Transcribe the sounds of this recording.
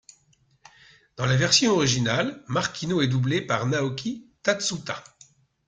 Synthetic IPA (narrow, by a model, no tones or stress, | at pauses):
d̪̥ɑ̃lavɛʁsjɔ̃ɔʁiʒinalmaʁkʰʲinoɛd̪ublepaʁnaɔkʲʰit̪at̪sut̪a